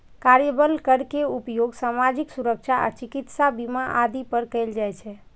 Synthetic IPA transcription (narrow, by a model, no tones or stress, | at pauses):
kaɾjəbəlkəɾkeupjoɡsamad͡ʒiksuɾəkt͡ʃʰaʔa̰t͡ʃikit̪sabimaʔad̪ipəɾkəjld͡ʒajt͡ʃʰɛ